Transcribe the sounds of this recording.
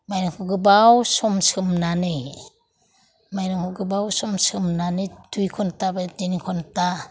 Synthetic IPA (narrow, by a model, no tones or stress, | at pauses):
majɾaŋkʰɔɡɯbawsɔmsɯmnanɯj | majɾɯŋkʰɔɡɯbawsɔmsɯmnanɯdujkʰɔntabadenikʰɔnta